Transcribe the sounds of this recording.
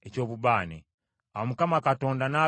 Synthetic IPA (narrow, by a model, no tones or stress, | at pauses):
ɛt͡ʃɔβubani | awmukamakatɔndana